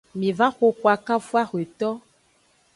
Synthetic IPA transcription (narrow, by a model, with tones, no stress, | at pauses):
mĩ˨va˦xo˦kwa˨ka˦fu˦a˦xwe˨t̪ɔ˦